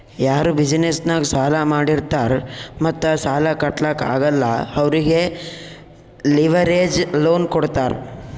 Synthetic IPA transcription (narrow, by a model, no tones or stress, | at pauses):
jaːɾubid͡ʒnesnaːɡsaːlamaːɽiɾt̪aːɾmɐt̪ːasaːlakɐʈlaka̰ːɡɐlːɐɐʋɾiɡe | liʋɐɾeːd͡ʒloːnkɔɽt̪aːɾ